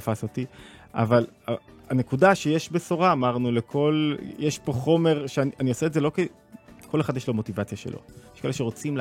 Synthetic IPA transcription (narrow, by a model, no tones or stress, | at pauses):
fasotia̰valaane̞kudaʃejeʃbesoʁaːmaʁnulekʰo̞ljeʃpo̞χo̞me̞ʁʃeanʔanioseːtzelo̞ke | kole̞χad̪jeʃlo̞mo̞tivat͡sjaʃḛlo̰jjeʃkaeleʃe̞ʁo̞t͡sim